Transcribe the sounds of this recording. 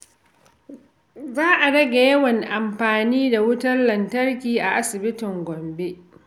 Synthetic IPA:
zaː˦ʔa˨ɽɐ˦ɡa˨jɐ˦wɐ˨ŋʔa˨mɸaː˨niː˦da˨wʊ˦tɐ˦rlɐ˨ntɐ˦rkʲiː˨ʔa˨ʔa˦sɪ˨bɪ˦tɪ˨ŋɡʷɔ˨mbe˦ʔ

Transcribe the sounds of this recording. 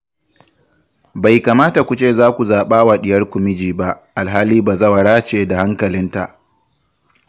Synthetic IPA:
ba˨jkaː˨maː˦ta˨kʷu˨t͡ʃeː˦˨zaː˦kʷu˨zaː˨ɓaː˦wa˨ɗɪ˨jɐ˦rkʷʊ˨mɪ˦d͡ʒiː˨ba˦ʔʔa˨lɦaː˦liː˦baː˨zɐ˦wɐ˨ɽaː˦t͡ʃeː˨da˨ha˦ŋkɐ˨lɪ˦nta˨ʔ

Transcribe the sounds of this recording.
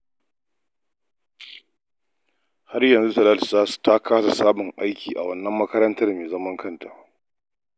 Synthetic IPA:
ha˦rjɐ˨nzu˦sɐ˨laː˦lɪ˨zaː˦su̥˨ta˦kʰaː˦sa˨saː˦mʊ˨ŋʔa˦jkʲiː˨ʔa̰˨wɐ˦nːɐ˦mːɐ˦kɐ˦ɾɐ˦ntɐ˦rmeː˨zɐ˦mɐ˦ŋkʰɐ˦nta̰ː˨

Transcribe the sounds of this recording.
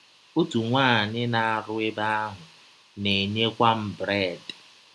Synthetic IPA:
o˦tu˨ŋʷaː˦˨ɲɪ˦na˨a˨ɾʊ˦ɪ˦ba˦a˦ɦʊ˨ | ne˨ɲe˦kʷa˦m̩˦bɾe˦˨d

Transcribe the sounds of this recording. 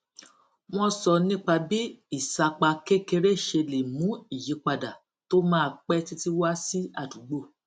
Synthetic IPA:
w̃ɔ̃˧sɔ˧nĩ˦k͡pa˧bi˦i˦˨sa˧k͡pa˧ke˦ke˧ɾe˦˨ʃe˧le˨mũ˨˦i˦˨je˨˦k͡pa˧da˨ | to˦mãː˦˧˨k͡pɛ˦ti˦ti˦wa˦si˦a˦˨du˨˦ɡ͡bo˦˨

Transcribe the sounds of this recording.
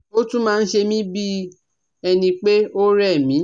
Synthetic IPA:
o˦tũ˦mãː˦˧n̩˦ʃe˧mĩ˦bi˦ | ɛ˧nĩ˧k͡pe˦o˦ɾɛ˦˨mĩ˨˦

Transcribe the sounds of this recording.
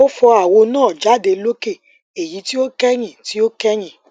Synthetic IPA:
o˦fɔ˧a˨wo˧nãː˦˨d͡ʒa˨˦de˧lo˦ke˦˨ | e˨ji˨˦ti˦o˦kɛ˦j̃ĩ˦˨ti˨˦o˦kɛ˦j̃ĩ˦˨

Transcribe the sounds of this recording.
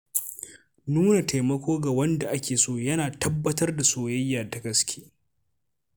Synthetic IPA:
nuː˦na˨tʰa˨jmɐ˦kʷoː˦ɡa˨wɐ˦nda˨ʔa˦kʲeː˨soː˦jɐ˦naː˨tɐ˦bːɐ˦tɐ˦rda˨soː˨jɐ˦jːaː˨da˨ɡɐ˦skʲʰeː˦

